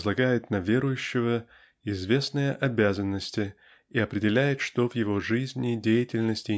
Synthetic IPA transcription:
zlˠɐɡajɪt̪nɐvʲe̞ɾʊjʉɕːɪvə | ɪzvʲe̞snɨjəʔɐbʲæzənːəsʲtʲɪ | iɐpɾʲɪdʲɪlʲæjɪt̪ʂt̪o̞vjɪvoʐɨzʲnʲɪdʲejɪtʲɪlʲnəsʲtʲɪ

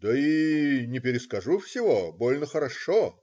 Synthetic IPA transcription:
d̪əinʲɪpʲɪɾʲɪskɐʐufsʲɪvobolʲnəxəɾɐʂo

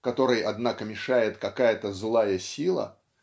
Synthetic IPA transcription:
kɐt̪o̞ɾɨjʔɐd̪nakəmʲɪʂajɪt̪kɐkajət̪əzlˠajəsʲilˠə̰

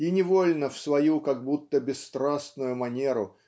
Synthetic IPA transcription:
inʲɪvolʲnəfsvɐjukɐɡ̚but̪ːəbʲɪsːt̪ɾasnʊjʊmɐnʲe̞ɾʊ

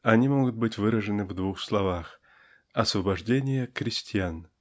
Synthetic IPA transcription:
ɐnʲimoɡʊt̪̚bɨtʲvɨɾəʐɨnɨvd̪vuxslˠɐvax | ɐsvəbɐʐdʲenʲɪjəkɾʲɪsʲtʲɪjan

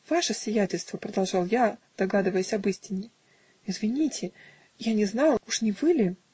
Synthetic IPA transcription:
v̥aʂəsʲvʲɪjætʲɪlʲst̪vəpɾəd̪ɐlˠʐɑlˠjad̪̥ɐɡad̪ɨvəjəsʲɐbɨsʲtʲɪnʲːɪ | ɪzvʲɪnʲitʲʰɪ | janʲɪznɑlˠuʂnʲɪvɨlʲɪ

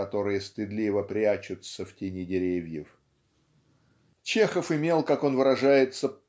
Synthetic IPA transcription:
ɐt̪o̞ɾɨjəst̪ɪd̪lʲivəpɾʲat͡ɕʊt̪səftʲɪnʲidʲɪɾʲevʲjɪf | t͡ɕe̞xəfɪmʲe̞lˠkako̞nvɨɾɐʐajɪt̪sə

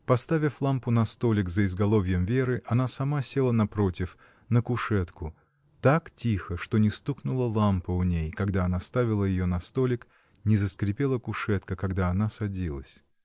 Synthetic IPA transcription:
pɐst̪avʲɪflˠampʊnɐst̪o̞lʲɪkzəɪzɡɐlˠo̞vʲjəmvʲeɾɨʔɐnasɐmasʲelˠənɐpɾo̞tʲɪf | nəkʊʂɛt̪kʊ | t̪aktʲixəʂt̪o̞nʲɪst̪uknʊlˠəlˠampəʊnʲejkɐɡd̪aɐnast̪avʲɪlˠəjɪjonɐst̪olʲɪk | nʲɪzəskɾʲɪpʲelˠəkʊʂɛt̪kəkɐɡd̪aːnasɐdʲilˠə̰sʲ

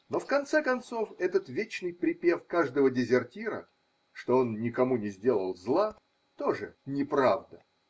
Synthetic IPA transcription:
nofkɐnt̪sɛkɐnt̪so̞fɛt̪ət̪vʲet͡ɕnɨjpɾʲɪpʲefkaʐd̪əvədʲɪzʲɪrtʲiɾə̰ | ʂt̪o̞onːʲɪkɐmunʲɪzʲdʲe̞lˠəlˠzlˠa | t̪oʐɨnʲɪpɾavd̪ə

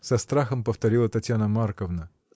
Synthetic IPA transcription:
z̥ɐst̪ɾɑxɐmpɔft̪ɔɾʲilˠɐt̪ɐtʲjanɐmɑrkɔwnɐ

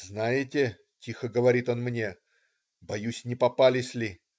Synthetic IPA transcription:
znajɪtʲɪ | tʲixəɡəvɐɾʲit̪o̞nmnʲe̞ | bɐjusʲnʲɪpɐpalʲɪsʲlʲɪ

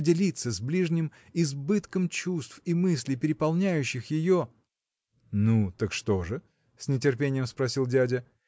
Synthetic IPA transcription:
dʲɪlʲit̪səzblʲiʐnʲɪm | ɪzbɨt̪kəmt͡ɕust̪fimɨsʲlʲɪjpʲɪɾʲɪpɐlˠnʲæjʉɕːɪxjɪjo | nut̪əkʂt̪o̞ʐɨ | sʲnʲɪt̬ʲɪrpʲenʲɪjəmspɾɐsʲilˠdʲædʲɪ

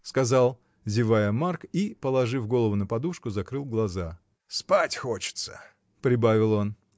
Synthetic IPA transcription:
skɐzɑlˠ | zʲɪvajəmarkipəlˠɐʐɨvɡo̞lˠəvʊnəpɐd̪uʂkʊzɐkɾɨlˠɡlˠɐza | spatʲxot͡ɕɪ̥t̪sə̥̰ | pɾʲɪbavʲɪlˠo̞n

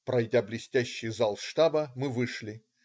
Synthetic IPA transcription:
pɾɐjdʲablʲɪsʲtʲæɕːɪjzalˠʂt̪abəmɨvɨʂlʲɪ

